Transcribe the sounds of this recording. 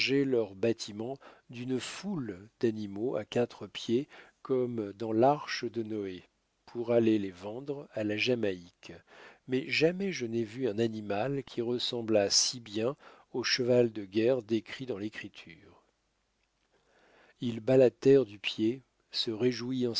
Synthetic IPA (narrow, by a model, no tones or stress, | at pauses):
ʒelœʁbat̪ʰimɑ̃d̪ynfuld̪animoa̰kat̪χəpjekɔmd̪ɑ̃laʁʃəd̪ənɔe | pʰuʁalelevɑ̃d̪ʁalaʒamaikmɛʒamɛʒənɛvyɛ̃nanimalkʲʰiʁəsɑ̃blasibjɛ̃ | oʃəvald̪əɡʲɛʁd̪ekχid̪ɑ̃lekχit̪ʰyʁ | ilbalat̪ɛʁd̪ypje | səʁeʒuiɑ̃